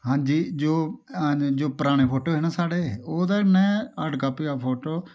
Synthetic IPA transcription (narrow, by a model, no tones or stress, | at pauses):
ɦãːd͡ʒiːd͡ʒoː | d͡ʒoːpəɾaːɽ̃eːpʰoːʈoːɦeːnãːsaːɽeːoːd̪aːnɛ̃ːəɖkaːpiːaːpʰoːʈoː